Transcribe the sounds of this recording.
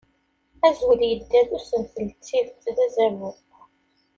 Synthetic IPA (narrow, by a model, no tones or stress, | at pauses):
æzwəljəd̪ːæðusənθəlt͡sːiðt̪ðæzævʊq